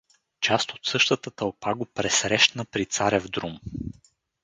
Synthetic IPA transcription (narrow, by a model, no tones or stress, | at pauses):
t͡ʃast̪o̥t̪sɤʃt̪ət̪ət̪əlˠpaɡopɾɛsɾɛʃt̪nəpɾit̪saɾʲɛvd̪ɾum